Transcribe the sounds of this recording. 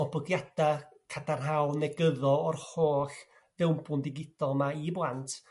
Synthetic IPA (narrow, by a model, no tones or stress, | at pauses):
ɔbɔɡjad̥akʰadanɦawˠnɛɡəðɔɔrhoːɬ | ðɛwmbʊndɪɡɪd̥ɔlˠmaiblˠantʰ